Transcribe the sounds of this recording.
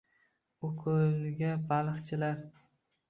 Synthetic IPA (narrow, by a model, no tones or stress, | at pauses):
okʰʊlɡʲabalˠɨχt͡ʃʰɪlaɾ